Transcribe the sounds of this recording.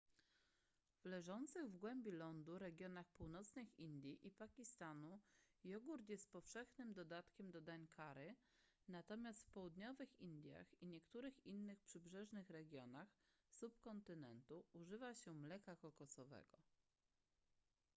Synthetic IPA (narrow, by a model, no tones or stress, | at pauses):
vlɛʐɔnt̪sɘɣvɡwɛmbʲjilɔnd̪uɾɛɡʲjɔnaxpuwnɔt̪snɘxind̪ʲjiʔipakʲist̪anu | jɔɡuɾt̪jɛst̪̚pɔfʂɛxnɘmd̪ɔd̪at̪kʲɛmd̪ɔd̪aɲkʰaɾɘ | nat̪ɔmʲjast̪fpɔwud̪ɲɔvɘxind̪ʲja̰xiɲɛkt̪uɾɘxinːɘxpʂɘbʐɛʐnɘxɾɛɡʲjɔnax | supkɔnt̪ɘnɛ̰nt̪uuʐɘvaɕɛmlɛkakɔkɔsɔvɛ̰ɡɔ